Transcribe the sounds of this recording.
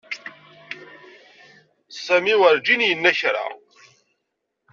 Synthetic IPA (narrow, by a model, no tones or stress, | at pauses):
sæmiwəɾd͡ʒinjənːæçɾa̰